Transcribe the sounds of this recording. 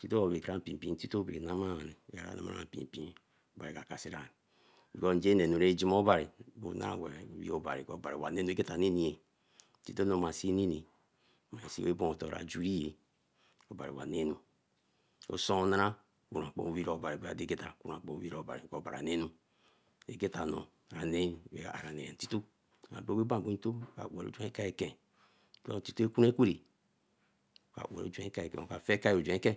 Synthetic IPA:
ti˦to˦o˨be˨kɾa˦m̩˨pi˨m˨pi˦ti˦to˦be˨ɾe˨na˦ma˦˨ne˨e˨˦a̰˨ɾa̰˦na̰˦ma̰˦ɾa̰˦˨m̩˨pḭ˨m˨pi˦n | o˨ba˨ɾi˨ka˨ka˨si˦ɾa˨n˨ | bi˨ko˦n̩˦d͡ʒe˦ne˨nu˨ɾe˦d͡ʒi˦mo˦ba˨ɾi˨bo̰˨˦na̰˦a̰˨we˨wḭ˦o˦ba̰˨ɾḭ˨ko˦˨ba˨ɾi˨wa̰˨ne˦nu˦ke˦ta˨ne˦ni˨e˨ | ti˦to˦no˨ma˨si˦ni˦ni˨ | ma˨e˨sḭ˦we˦bo˦o˨to˨ɾa̰˨d͡ʒu˦ɾi˦je˨ | o˨ba˨ɾḭ˨wa˨ne˦nu˦ | o̰˦so˦o˦na˦ɾa˦ | ku˨a˨k͡po̰˨wi˦ɾo˨ba˨ɾi˨be˨˦a˨de˦ke˦ta˨ku˦ɾa˨k͡po˨˦wi˦ɾo˨ba̰˨i˨ko˨ba̰˨ɾa̰˨ne˦nu˦ | e˨ɡe˦ta˨no̰˨ɾa˨ne˦we˨a˨a˨ɾa˨ne˨e˨ti˦to˦˨ | a̰˨bo˦we˦ba˦˨bo˨˦i˦to˦˨ka̰˨we˨o̰˨˦d͡ʒe˦ka˦e˦˨kẽ˨˦ | do̰˦˨ti˦to˦e˦ku˦e˦kʷe˦ɾi˨ | o˨ka̰˨ʔwḛ˨ɾo̰˦d͡ʒe˦ka˦e˨kɛ̰˨o˨ka˨fe˦ka˦i˦˨o˨d͡ʒʷẽ˨˦ke˦

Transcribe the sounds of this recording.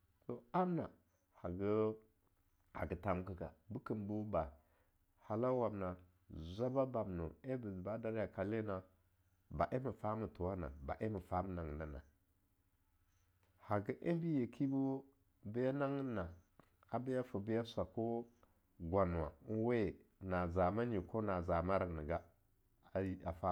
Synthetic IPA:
to˨a˦m˦na˨ | ha˨ɡə˦ | a̰˨ɡə˨ta˨m˦kə˦ka̰˨bu˦ki˨mbu˦ba˨ | ha˨la˦wa˨mna˨ | zʷa˦ba˦ba˨m˨nu˨e˦bi˨ba˦da˦ɾja˨ka˨le˦na˨ | ba˨ʔe˦mi˨fa˦mu˨tu˨wa˦na̰˨ba̰˨ʔe˦mə˨fa˦mə˨na˨ŋ˨na˨na̰˨ | ha˨ɡi˦ʔe˦bi˦je˨kʰi˦bo˦ | bi˦ja˦na˦ŋ˦na˨ | a˨bi˦ja˦fu˨bi˦ja˦sa˨ko˦ | ɡʷa˨n˨wa˨˦we˦˨ | na˨za˨ma˦ɲi˨ko˦na˨za˨ma˦ɾa˨ni˨ɡa˦ | a˨i˦a˨fa˦

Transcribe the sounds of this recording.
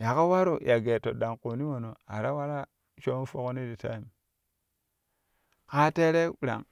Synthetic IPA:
ja˨ka˦wa˦ɾo˨jʔa˨ɡe˨to˨da˨ŋko˨ni˦wo˨no˨a̰˨ɾa˦wa˦ɾa˦ | t͡ʃo˦fo˦ko˦ni˦di˨ta̰˦i˨m | ka˦te˦ɾe˦˨ɾa̰˨ŋ

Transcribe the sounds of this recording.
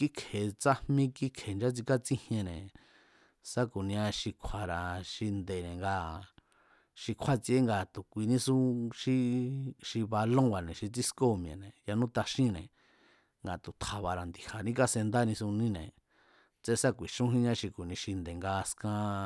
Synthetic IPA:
ki˦kʰe˨t͡sa˦mmĩ˦ki˦kʰe˨nd͡ʒa˦t͡si˧ka˦t͡sĩ˦hjẽ˧nẽ˨ | sa˦ku˨nĩ˧ã˧ʃi˧kʷʰa˧˨ɾa˨ʃi˧nd̪e˨nẽ˨ŋɡa˧ | ʃi˧kʷʰa˦t͡si˧e˦ŋɡa˧˨t̪u˨kʷi˧nĩ˦sũ˦ʃi˦˧ʃi˧βa˧lõ˦wa˨nẽ˨ʃi˧t͡si˦sko˦˨mj̃ḛ̃˨nẽ˨ja˧nũ˦t̪a˧ʃĩ˦nẽ˨ | ŋɡa˨t̪u˨t̪ʰa˨βa˧ɾa˨nd̪i˨ha˨nĩ˦ka˧se˧nd̪a˦nĩ˧sũ˧nĩ˦nḛ̃˨ | t͡se˧sa˦kʷi˨ʃũ˦ɦĩ˦ɲã˦ʃi˧ku˨nĩ˧ʃi˧nd̪e˨ŋɡa˧skã˧

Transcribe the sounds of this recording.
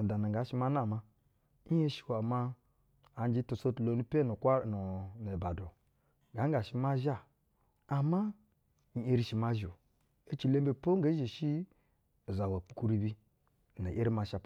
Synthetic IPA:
da˨na˨ɡa˨˦ʃi˦ma˦n˦a˨ma˦ | i˦e˦ʃi̥˨wa˨ma˦ | a˨n˦d͡ʒi˦tu˨so˦tlo˨˦nu˦pe˦nu˨kʷa˦n˨n˨e˨ba˨do˨ | ɡa˨˦ŋ˦ɡa˨ʃi˦ma˦ʒa˦˨ | a˨ma˦˨ | e˦ɾi˦ʃi˨ma˦ʒo˨ | e˦t͡ʃi˨le˦mbe˨po˦ŋ˦ɡe˨˦ʒe˨ʃi˦˨ | za˨wa˨pu̥˨ku˦ɾi˦bi˦˨ | na̰˨ʔe˦ɾi˦ma˨ʃa˨p

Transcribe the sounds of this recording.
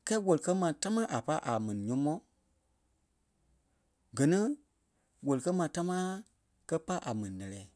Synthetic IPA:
kɛː˦wo˨li˨kɜ˦mãː˨ta˦mãː˦ʔa˨pa˦ʔa˨mɛ̃˨nĩ˨ɲɔ̃˨˦mɔ̃˦ | ɡɜ˨nĩ˦ | wo˨li˨kɜ˦mãː˨˦ta˦mãː˦ | kɜ˦pa˦ʔa˨mɛ̃˨nĩ˨lɛ˨lɛː˨˦

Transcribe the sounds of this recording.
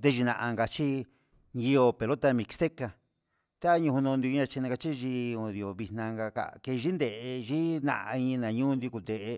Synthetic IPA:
nd̪e˧ʒi˧nã̰˧ʔa˧ŋɡa˧t͡ʃi˦ | ɲi˧o˧pe˨lo˦t̪a˧mĩ˧kst̪e˦ka˧ | t̪a˦ɲũ˧hũ˧nũ˧nd̪i˧ɲã˧t͡ʃi˧nã˧a˧t͡ʃi˦ʒi˧o˧ði˧˨o˨βi˧nnã˧ŋɡa˧ka̰˧˨˧ke˧ʒi˦nd̪e˨ʔe˧ʒi˦nã̰˧ʔa̰˧i˧ɲĩ˧nã˨ɲũ˦nd̪i˧ku˨nd̪e˨ʔe˧

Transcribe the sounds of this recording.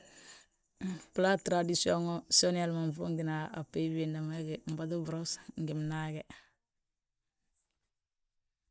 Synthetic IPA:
pla˦tɾa˨disio˦ŋo˦so˦ni˦a˦lma˨ɱfu˦ŋɡi˨na˨a̰˨pːe˦bi˨nda˨ma˦ɡe˨m̩˨ba˨du˦bɾo˦sŋɡi˨mnaɡe˦

